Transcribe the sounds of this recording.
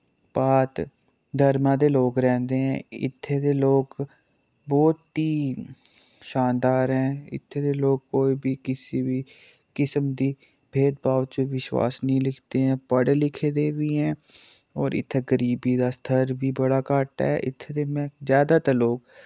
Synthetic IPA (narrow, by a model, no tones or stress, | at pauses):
paːt̪ | d̪ʱəɾmãːd̪eːloːɡɾɛ̃ːnd̪eːɦɛ̃ːɪ̰t̪ʰːeːd̪eːloːɡ | bɔːt̪ːi | ʃãːnd̪aːɾɦɛ̃ːɪ̰t̪ʰːeːd̪eːloːɡ̚koːiːbʱiːkɪsiːbi | kɪsəmd̪iː | bʱeːd̪̚baːʋt͡ʃəʋɪʃwa̰ːsnəɦĩlɪkʰt̪eɦɛ̃ːpəɽlɪkʰeːd̪eːʋiɦɛ̃ː | ɔːɾɪ̰t̪ʰːeɡəɾiːbiːd̪aːst̪ʰəɾbʱiːbəɽaːkaːʈa̰ɦɛ̰ːʔɪt̪ʰːed̪eːmɛ̃ːzjaːd̪aːt̪aloːɡ